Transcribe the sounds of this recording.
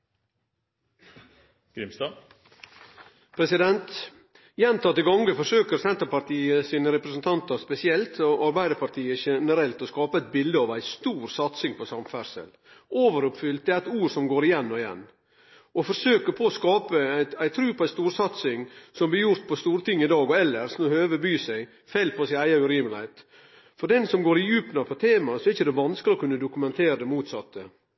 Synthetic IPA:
ɡ̥ɾɪmst̪ɑ | pʰɾɛsɪd̪ɛnt̪ | jɛnt̪ʰɑt̪ːɪɡɑŋɡəfɔʂøːkəɾsɛnt̪əpɑt̪iːəsiːnəɾɛpɾɛsnt̪ʰɑnt̪əɾspɛsɪɛlt̪ɔʔɑɾbæɪd̪əɾpʰɑɾʈ̪ʰiːəʃɛnəɾɛlt̪ɔskɑːpəæɪt̪̚bɪld̪əɑʋæɪst̪uːɾsɑt̪sɪŋpʰɔsɑmfæɾʂə̰l | ʔoːʋəɾʊpfʏlt̪̚d̪ɛæɾɛɪt̪uːɾsɔmɡoːɾɪjɛnːɔɪjɛ̰nː | ɔfɔɾʂøːkəpʰɔːskɑːpəæɪæɪt̪ʰɾʉːpʰɔæɪst̪uːɾsɑt̪sɪŋsɔmblɪɾjʊɾt̪̚pʰɔst̪uːɾət̪ʰɪŋːɪd̪ɑːɡɔɛlːəɾsɔnɔhøːʋəbyːsæɪ | fɛlpʰɔsɪæɪɑʉɾiːmlɪhɛɪt̪ | fɔɖ̪ɛnsɔmɡoːɾɪjʉːpnɑpʰɔt̪ʰeːmɑsɔɛɾɪçəd̪ɛʋɑnskəlɪɔkʉnːəd̪ʊkʉmɛnt̪ʰeːɾəd̪ɛmuːt̪sɑt̪ːə

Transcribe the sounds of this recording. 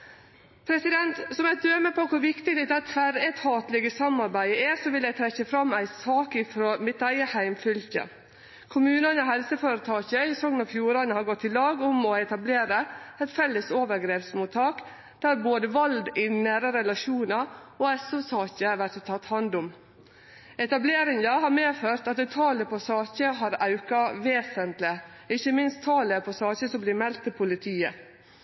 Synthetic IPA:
pʰɾɛsɪd̪ɛnt̪sɔmæɪd̪øːməpʰokʰʊɾʋɪkt̪ɪɡd̪ɛt̪ɛt̪fæɾɛt̪hɑːt̪lɛɡəsɑmɑɾbæɪəæsɔʋɪljæɪt̪ʰɾɛçːəfɾɑmːæɪsɑːkɪfɾoːmɪt̪æɪəhæɪmfʏlçə̰ | kʰʊmʉːnɑnəɔɦɛlsəføːɾət̪ʰɑːçəɪsɔŋːənɑʋfjuːɾɑnəhɑɾɡɔt̪ʰːɪlɑːɡʊmɔɛt̪ɑbleːɾəɛɪt̪fɛlːəsoːʋəɾɡɾeːpsmuːt̪ʰɑːk | d̪̥æɾboːd̪əʋɑld̪ɪnæːɾəɾɛlɑʃuːnɑɔːɛsʊsɑːçəʋæɾʈ̪t̪ʰːɑt̪ːhɑnd̪ʊm | ɛt̪ɑbleːɾɪŋəhɑːɾmeːføːɾt̪ɑt̪̚d̪ɛt̪ʰɑːləpʰɔsɑːçəɦɑɾɑʉkɑʋeːsənt̪lɪ | ɪçəmɪnst̪ʰːɑːləpʰɔsɑːçəsɔmblɪɾmɛlt̪ʰːɪlpʰʊlɪt̪ʰiːə

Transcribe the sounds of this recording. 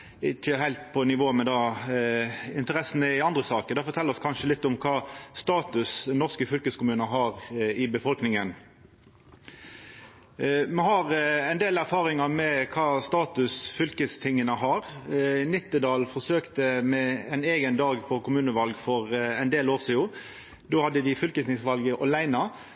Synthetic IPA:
ɪçəhæɪlt̪pʰɔnɪʋoːmɛd̪ɑ | ɪnt̪əɾɛsənəɪɑnd̪ʁəsɑːkəd̪ɛfɔɾt̪ʰɛlːəɔskʰɑnʂəlɪt̪ːʊmkʰɑːst̪ɑːt̪ʉsnːɔʁskəfʏlkəskʰʊmʉːnəɦɑːʁɪbəfɔlknɪŋən | mɛhɑɾɛɪnd̪eːlæɾfɑːʁɪŋɑmɛkʰɑːst̪ɑːt̪ʉsfʏlkəst̪ʰɪŋːənəɦɑɾnɪt̪ːəd̪ɑːlfɔʁsøːkt̪əmɛɛneːɡənd̪ɑːɡpʰɔkʰʊmʉːnəʋɑlɡfɔʁɛɪnd̪eːloːʁsiːʊ | d̪oːhɑd̪ːəd̪ɪfʏlkəsɪŋsʋɑlɡəʔɔlæɪnɑ

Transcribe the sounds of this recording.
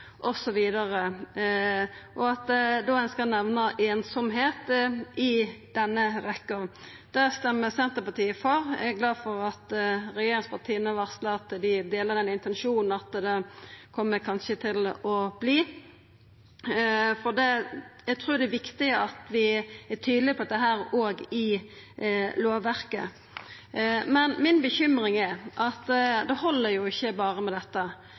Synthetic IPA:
ʔɔsɔʋiːd̪ɑɾə | ʔɔɑt̪̚d̪ɛd̪oːɛːnskɑnɛʋnəʔeːnsɔmɦeːt̪ɪd̪̥ɛnːəɾɛkːə | d̪̥æʁst̪ɛmːəsɛnt̪əpɑt̪ʰiːəfɔɾæ̰ɡlɑːd̪fɔʁɑt̪ɾɛjeːɾɪŋspʰɑt̪ʰiːənəʋɑʁsləɑt̪d̪ɪd̪eːləɾd̪ɛnɪnt̪ɛnʃuːnn̩ɑt̪d̪ɛkʰɔmːəkʰɑnʃət̪ʰɪlɔb̥liː | fɔd̪ɛjæɡt̪ʰɾuːɾd̪ɛæʋɪkt̪ɪəɑt̪ʋɪæt̪ʰyːd̪lɪpʰɔd̪əɦæːɾoːɡɪ | loːʋʋæɾkə̰ | mɛnmɪnbəçʏmɾɪŋæɾʔɑt̪d̪ɛhɔlːəɾjʊɪçːəbɑːɾəmɛd̪ɛt̪ːə

